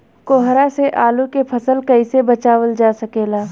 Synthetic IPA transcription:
koːɦɾaseʔaːlukepʰɐsəlkɐɪsebət͡ʃaːwəld͡ʒaːsɐkeːlaː

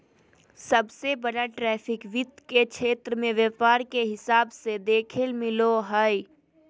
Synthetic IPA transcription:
səbsebəɽaʈɾɛːpʰɪkʋɪt̪kekt͡ʃʰeːt̪ɾəmẽʋɛːpaːɾkeɦɪsaːbsed̪eːkʰɪlmɪloɦəi

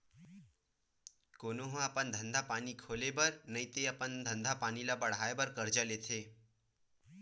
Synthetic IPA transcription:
konoɦõəpənd̪ʱənd̪ʱapanikʰolebəɾnəit̪eəpənd̪ʱənd̪ʱapanilabəɽ̤aebəɾkəɾd͡ʒalet̪ʰe

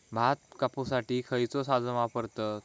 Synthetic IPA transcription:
bʱat̪̚kapusaʈiːkʰəjt͡sosad͡zəʋapəɾt̪ə

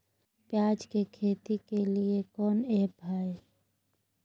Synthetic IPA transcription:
pjaːd͡ʒkekʰeːt̪ikeliekɔːneːbʱaːe

